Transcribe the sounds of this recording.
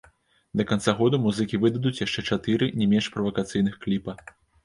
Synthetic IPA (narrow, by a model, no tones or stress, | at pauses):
d̪ɐkant̪saɣɔd̪umuzɨkʲivɨd̪ɐd̪ut͡sʲjaʂt͡ʂɛt͡ʂat̪ɨɾɨnʲɛmʲɛnʂpɾɐvɐkat̪sɨjnɨxklʲipɐ